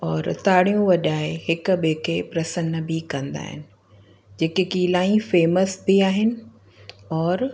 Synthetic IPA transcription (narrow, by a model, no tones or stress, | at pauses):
ɔːɾt̪aːɽ̤ijũʋɐʄaːeɦɪkʊ̆ɓeːkʰepɾɐsənəbʱikɐ̃nd̪a̰ːɦɪ̰nɪ̆ | d͡ʑeːkekiːlaːĩfeːməsbiaːɦɪnɪ̆ | ɔːɾ